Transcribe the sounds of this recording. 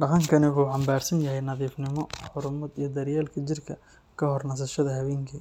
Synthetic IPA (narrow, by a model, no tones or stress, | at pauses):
ɖɑqɐŋkʰɐnɪħuːħɑmbaːrsɐnjɐɦɛjnɐðiːfnɪmɔħʊɾʊmɐd̪ijɞd̪ɐɾjaːlkʰɐt͡ʃɪrkʰɐ | kʰɐhɔrnɐs̬ɐʃɐðɐɦɐβɛːŋkʰi